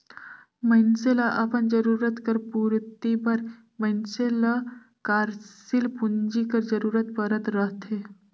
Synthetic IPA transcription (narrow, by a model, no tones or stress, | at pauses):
mɐnselaʔɐpənd͡ʒəɾuːɾət̪kəɾpuːɾt̪ibɐɾ | mənsela | kaːɾsilpund͡ʒikəɾd͡ʒəɾuːɾət̪pəɾət̪ɾəɦt̪ɦe